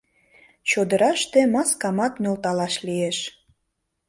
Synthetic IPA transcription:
t͡ɕod̪əɾɑʃt̪emɑskɑmɑt̪mʲølt̪ɑlɑʃlieʃ

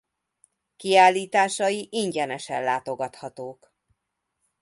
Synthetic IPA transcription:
kiaːlːiːt̪aːʃɒjiʔiɲɟɛnɛʃɛnlaːt̪o̞ɡɒt̪hɒt̪oːk

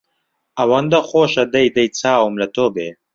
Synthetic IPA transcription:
ɐwɐnd̪ɐxoːʃɐd̪ɐjd̪ɐjt͡sʰaːwumlɐt̪obḛː

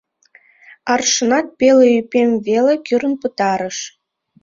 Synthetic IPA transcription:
ɑrʂɤ̆nɑt̪̚pʲelʲĕypʲemʲvʲelʲɘ̆kʲyɾɘ̆npɯt̪ɑɾɤ̆ʂ

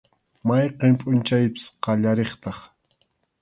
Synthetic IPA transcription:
majqempʼʊnt͡ʃajpɪ̥sqɑʎaɾeχt̪ɑχ

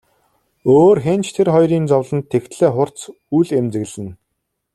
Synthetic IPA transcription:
oːrxent͡ɕt̪ʰerχɔjɾiːnt͡sɔwɮə̆nt̪ʰːext̪ɮeːχʊr̥t͡s | ujɮemt͡sɘ̆ɣɮɘ̆n

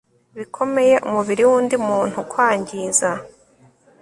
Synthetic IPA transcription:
βikʰo̞me̞je̞ʔumuβiɾiwuːndimuːn̥hukwaːɲɟiza

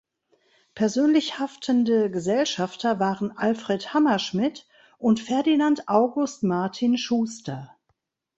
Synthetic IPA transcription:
pʰɛɐzøːnlɪçhaftʰəndəɡəzɛlʃaftɐvaːʁənʔalfʁ̥ɛthamɐʃmɪt | ʔʊntfɛɐdinantʔaʊɡʊstmaɐtʰinʃuːstɐ

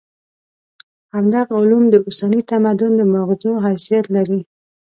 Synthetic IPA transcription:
hamd̪aɣʊlumd̪əʊsanit̪amad̪ʊnd̪əmaɣzoɦajsijat̪laɾi

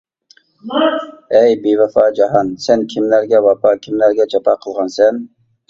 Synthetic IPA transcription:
ɛjbevɛfɑːd͡ʒɑɦɑnsɛnkʲʰimlæɾɡʲɛwɑpʰɑkʲʰimlæɾɡʲɛt͡ʃʰɑpʰɑːqʰəlˠʁɑnsɛn

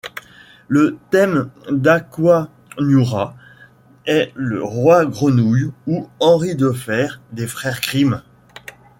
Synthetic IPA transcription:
lət̪ɛmd̪akwa | nuʁa | ɛləʁwaɡʁənujuɑ̃ʁid̪əfɛʁd̪efχɛʁkχim

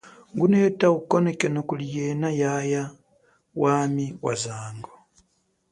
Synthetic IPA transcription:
ŋɡuneetaɣukonekenokulijenajaja | waːmiwa̰zaːŋɡo

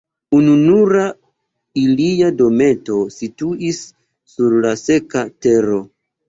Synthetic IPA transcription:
ununuɾa | iliado̞me̞to̞situisː | uɾlase̞kate̞ɾo̞

